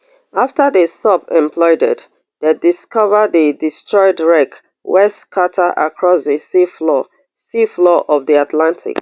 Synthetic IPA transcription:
aftədəsɔpɛ̃mpʰlɔɪdɛ̰d | dediskɔvədədistɹɔɪdɹɛk | wɛstkʰatʰəʔa̰kʰɹɔsðəsiflɔ | siflɔʔɔvðiatlãntʰḭɪ̰k

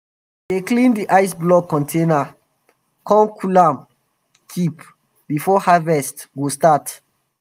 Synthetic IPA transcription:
deklĩndiʔaɪs̬blɔkɔ̃ntʰẽna | kʰɔ̃mkʰulãm | kʰip | bifɔhavɛstɡostat

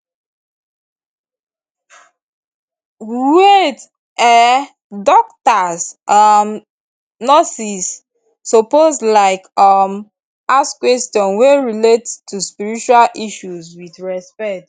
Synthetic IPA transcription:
et | ɛ | dɔk̚tasam | nɔsisː | opozlaɪkʌm | askwɛstɔ̃nweɹilettʰːuspiɹit͡ʃualʔiʃuzwiθɹɛspɛt

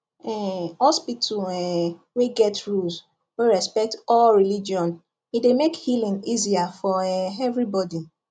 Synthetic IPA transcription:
ɛhɔspitʰuɛweɡɛtɹuls | weɹɛspɛk̚tɔlɹilid͡ʒiɔ̃n | idemekhilĩŋiziafɔɛɛvɹibɔdi

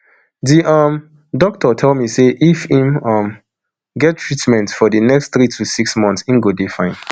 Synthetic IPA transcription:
diʔʌm | dɔk̚tɔtʰɛlˠmiseʔifhĩmʌ̃m | ɡɛt̚tʰːɹitmɛ̃ntfɔdənɛksθɹitʰusiksmɔ̃nθsĩmɡodefãɪ̃n

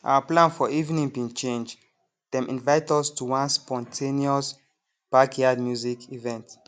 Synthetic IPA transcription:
ʔa̰waplãnfɔivnĩŋbĩŋt͡ʃẽnd͡ʒ | dɛ̃mʔḭ̃nvaɪtɔstʰuwãnspɔ̃ntʰeniɔs | b̥akʰjad̚mjuzikʰivɛ̃nt

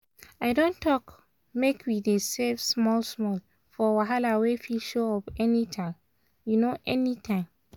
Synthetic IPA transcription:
aɪdõntʰɔk | mekʰwidesefsmɔlsmɔl | fɔwaɦalawefilʃoɔpɛnitʰãɪ̃m | junoʔɛnitʰãɪ̃m

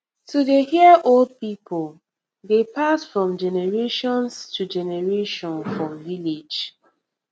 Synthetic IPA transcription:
tʰudehiəʔold̚pipʰɔl | depasfɹɔ̃md͡ʒɛnɛɹeʃɔ̃nstʰud͡ʒɛnɛɹeʃɔ̃nfɹɔ̃mviled͡ʒ

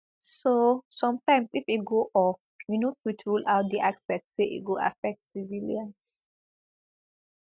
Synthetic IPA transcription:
sosɔ̃mtãɪ̃msifit̚ɡoʔɔf | winofwitʰɹulaʊt̚d̪iʔaksbɛtseʔḭt̚ɡoa̰fɛk̚tsiviliãns

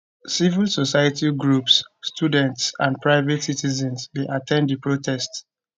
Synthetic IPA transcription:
sivilsosajatiɡɹupsːtʰjudɛ̃ntsã̰npɹaɪvɛtsitizɛ̃nsdeʔatʰɛ̃nddipɹotʰɛst

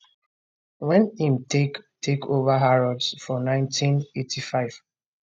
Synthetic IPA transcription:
wɛ̃nĩmtʰektʰekʰovaɦaɹɔdsfɔnãɪ̃ntʰĩnetʰifaɪv̥

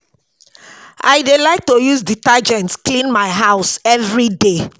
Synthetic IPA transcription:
ʔa̰ɪdelaɪk̚tojuzditad͡ʒɛ̃ntsklĩnmaɪɦaʊsɛvɹide

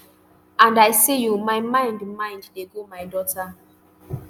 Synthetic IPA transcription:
ãndajsijumaɪmãɪ̃ndmãɪ̃nddeɡomajdɔtʰa

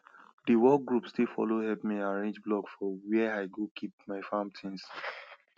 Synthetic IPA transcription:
diwɔk̚ɡɹupstilfɔ̰lohɛpmiãɹẽnd͡ʒblɔkfɔwɛaɪɡokʰip̚maɪfãmtʰĩns

